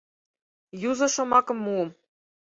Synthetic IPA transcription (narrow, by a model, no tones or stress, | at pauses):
juzɤ̆ʃɤ̆mɑkɤ̆mːuɤ̆m